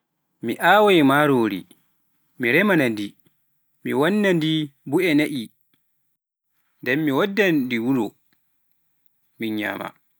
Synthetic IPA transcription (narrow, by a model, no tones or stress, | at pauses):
miʔaːwajmaɾoːɾḭ | miɾɛmanandi | miwanːandibuɛnaʔi | ndɛmːiwadːandiwuɾɔ | miɲa̰ːma̰